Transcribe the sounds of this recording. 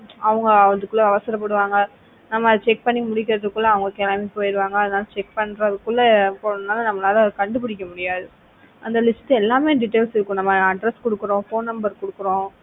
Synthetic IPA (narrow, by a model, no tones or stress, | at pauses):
ɐʋɐŋɡɐʋɐnd̪ɯkːɯlːɐɐʋɐsɐɾɐpːɐɽɯʋaːŋɡɐ | nɐmːɐt͡ʃɛk̚pɐɳːɪmʊɽɪkːɪɾɐðɯkːɯlːɐːɐʋɐŋɡɐkeːlaːmeːpoːjɪɾɯʋaːŋɡɐːðɯnaːlɐt͡ʃɛk̚pɐɳɾɐðɯkːɯɭːɐpoɐɐnaːlɐnɐmːɐnaːlɐkɐɳɖɯp̬ɪɽɪkːɐmʊɽɪjaːðɯ | ʔɐnd̪ɐlɪsʈːɯɛlːaːmeːɖɪʈːeːlsɪɾɯkːʊ̃nɐmːɐɐɖɾɛskɔɽɯkːɯɾõːfoːnnɐmbɐɾkɔɽɯkːɯɾõː